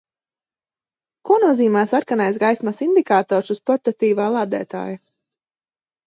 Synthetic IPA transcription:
kuɔnuɔziːmaːsaɾkanajsɡajsmasind̪ikaːt̪ɔːɾsuspɔɾt̪at̪iːvaːlˠaːd̪ɛ̰ːt̪a̰ːja

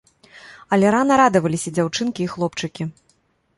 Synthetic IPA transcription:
ɐlʲɛɾanɐɾad̪ɐvɐlʲisʲɐd͡zʲawt͡ʂɨnkʲiːxlˠɔpt͡ʂɨkʲi

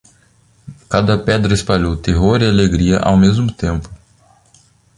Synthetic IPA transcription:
kad̪ɐpɛd̪ɾɐɪspaʎowt̪eɦoɾialeɡɾiɐ̰ʔa̰wmezmʊt̪ẽmpʊ̥

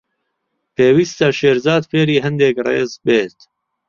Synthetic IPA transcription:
pʰeːwist̪ɐʃeːɾzɑːd̪feːɾiːɦɐnd̪eːkrḛːzbeːt̪

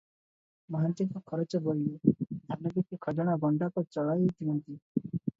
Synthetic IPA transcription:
mɔɦant͡ʃiŋkɔkʰɔɾɔt͡ʃɔbɔied̪ʱaɾnɔɡikekʰɔd͡ʒɔɽ̃aɡɔɳɖakɔt͡ʃɔɭajet̪ʰiɦɔnt̪i

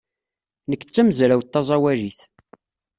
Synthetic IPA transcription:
nəkːt͡sːæməzɾæwt̪ːɑzˤɑwæɾiθ

